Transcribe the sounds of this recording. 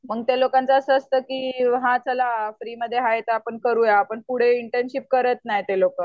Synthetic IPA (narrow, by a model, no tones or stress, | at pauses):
məɡt̪elokãnt͡səəsəəst̪əːkiːɦãt͡səlafɾiːməd̪ʱːjeɦajet̪əapəɳkəɾuːjaːpəɳkuɽ̤eiɳʈenɕip̚kəɾət̪najt̪elokə